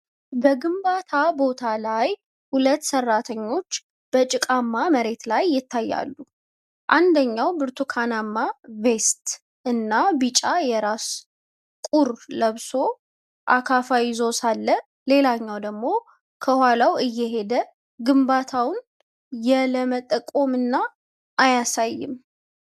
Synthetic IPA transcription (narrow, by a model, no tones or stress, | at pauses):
bəɡɨmbat̪ʰabo̞t̪ʰalaj | hulət̪ːsərːat̪ʰəɲːo̞t͡ʃː | b̥ət͡ʃʼɪkʼamːaməɾe̞t̪lajːɪt̪ʰːajːa̰lːu | ʔand̪əɲːawbɨɾt̪ʰukʰanamːave̞st̪ | ɨnːabit͡ʃʼajɛɾas | kʼuɾləβso̞ | ʔakʰafawizo̞salːə | le̞laɲːawd̪əɡmo̞ | kʰəhwalawɨjːɛɦe̞d̪ə | ɡɨmbat̪ʰawn | jɛləmət̪ʼəkʼomɨnːa | ʔːjasajːɪ̰m